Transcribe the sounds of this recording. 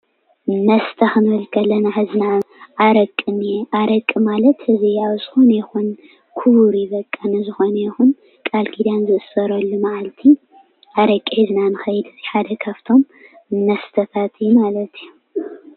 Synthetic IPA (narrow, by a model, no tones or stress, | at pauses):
nɐst̪ʰɐxɨnɨlkʰɐlɐnaħɨznaʔaɾɐkʼːɨneʔaɾɐkʼːɨmalɐt̪ɨziaβzɨxonjɛxun | kʰuβuɾjɪβɐkʼːɐnɐzɨxo̞nɐjɛxun | kʼalkʰid̪anzɨʔɨsːɐɾɐlːumaʕalt̪ʰi | ʔaɾɐkʼːiiznanɨxɐjd̪ziħad̪ɐkʰaft̪ʰo̞m | mɐst̪ʰɐt̪ʰat̪ʰɨjumalɐt̪iju